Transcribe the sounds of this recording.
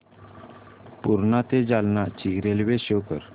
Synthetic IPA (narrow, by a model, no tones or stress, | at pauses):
puɾnat̪ed͡zalnat͡ɕiɡɾelʋeɕokə̰ɾ